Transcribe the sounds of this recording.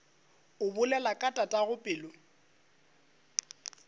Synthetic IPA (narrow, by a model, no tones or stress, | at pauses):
ʊbʊlɛlakʼatʼatʼaɣʊpʼɪːlɔ